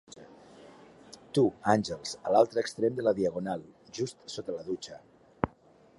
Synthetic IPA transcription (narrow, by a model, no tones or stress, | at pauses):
t̪uanʲʒəlˠz̥əlalˠt̪ɾəːkst̪ɾemd̪ələðiəɣonalˠʒust̪sot̪ələðut͡ʃə